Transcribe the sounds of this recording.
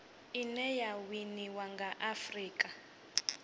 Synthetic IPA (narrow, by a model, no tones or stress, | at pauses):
inɛjawiniwaŋɡaʔafriːkʼa